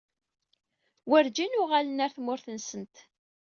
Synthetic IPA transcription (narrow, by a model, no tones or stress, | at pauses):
wəɾd͡ʒinʊʁalənæɾθmʊɾθənsənt̪